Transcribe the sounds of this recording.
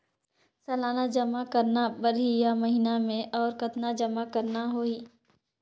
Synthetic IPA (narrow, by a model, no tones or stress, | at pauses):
sɐlaːnad͡ʒɐmakəɾnabəɾijamɐɦɪnamẽʔɔːɾkɐt̪nad͡ʒɐmakəɾnaɦoːiː